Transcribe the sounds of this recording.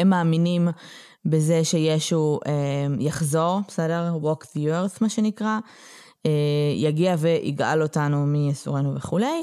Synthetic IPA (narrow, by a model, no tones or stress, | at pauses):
emːaːminim | beze̞ʃe̞je̞ʃuʔejaχzo̞ʁbesedeʁwokteʁsmaʃe̞nikʁa | ejaɡiave̞ʔḭɡa̰lo̞tanumiasuʁenuveχule̞j